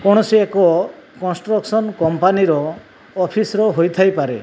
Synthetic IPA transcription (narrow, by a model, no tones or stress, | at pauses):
kɔɽ̃ɔsiekɔkɔnsʈɾɔksɔnkɔmpaniɾɔː | pʰisɾɔɦojt̪ʰajpaɾe